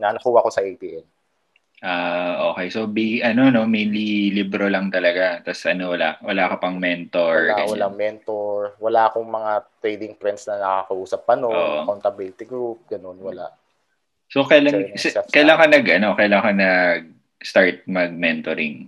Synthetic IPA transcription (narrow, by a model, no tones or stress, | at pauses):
nɐnɐkuːwakosɐʔejp̪iːʔɛn | ʔaʔoːkɛjso̞biɡʔɐno̞no̞mejnlilibɾolɐŋt̪ɐlɐɡat̪ɐsʔɐnowɐla̰ʔwɐlaʔkɐpɐŋmɛnt̪oɹɐwɐlaŋmɛnt̪oɹwɐlaʔɐkoŋmɐŋat̪ɾɛjd̪ɪŋp̪ɾɛnt̪snɐnɐkɐkɐʔuːsɐp̚ːɐnoʔoːʔʔokɐnt̪ɐbilɪt̪ɪɡɾup̚ɡɐnonwɐla̰ʔ | sokɐjlasɛɛkɐjɐlaŋkonɐɡʔɐno̞kɐjɐlaːŋkonɐɡ̚ | st̪aɹt̪̚mɐɡ̚mɛnt̪oɾɪŋ